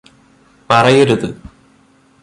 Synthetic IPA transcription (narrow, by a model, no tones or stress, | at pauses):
mɐrɐjoɾuðɨ